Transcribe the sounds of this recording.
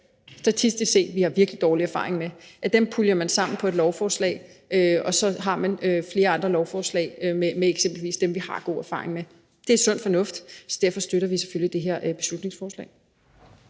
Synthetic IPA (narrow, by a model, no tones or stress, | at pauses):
sd̥æt͡sʰisd̥isse̝̰̥ːʋihɑ̈ʋiɐɡ̥lid̥ɒːliæɐfɑ̈ːʁe̝ŋmeæd̥empʰulɐmænsɑ̈m̰n̩pʰɒ̽e̝d̥lɒʊfɒːslɛ̰ɪ | ʔøɒ̽sɒ̽ɦɑ̈mænøfle̝ːɐɑ̈nd̥ʁɐlɒʊfɒːslɛ̰ːɪmemeeɡ̥semb̥l̩ʋḭːsd̥emʋihɑ̈ɡ̥o̝̰ːæɐfɑ̰̈ːʁeŋme | d̥e̝æ̥sɔ̽n̰fɒ̽nɔ̽fd̥sɒ̽d̥æɐfɒ̽sd̥øɾ̥ɐʋise̥følid̥e̝ɦeɐ̰b̥e̝slud̥ne̝ŋsfɒːslɛ̰ːɪ